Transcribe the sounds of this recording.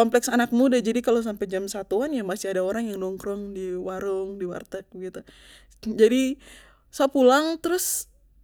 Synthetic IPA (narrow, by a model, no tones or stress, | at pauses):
ɔmplɛksanak̚mudad͡ʒadikalos̬ampɛd͡ʒamsat̪uanjamasiadaoɾaŋjaŋnɔŋkɾɔŋdiwaɾʊŋdiwa̰rt̪ɛk̚bəɡit̪u | d͡ʒadi | sapulaŋt̪əɾʊs